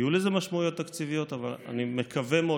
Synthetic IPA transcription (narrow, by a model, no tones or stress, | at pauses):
juleze̞maʃmaujo̞t̪ːakt͡sivijo̞t̪avala̰nimekʰave̞mo